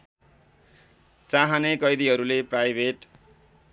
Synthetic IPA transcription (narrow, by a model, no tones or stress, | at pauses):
t͡saɦanekʌjd̪iɦʌɾuleprajbʱeʈ